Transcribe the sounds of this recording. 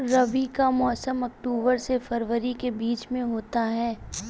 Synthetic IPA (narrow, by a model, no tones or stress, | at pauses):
ɾɐʋikamɔːsəmɐk̚ʈuːbəɾsefɐɾʋəɾikebiːt͡ʃmẽɦoːt̪aɦɛː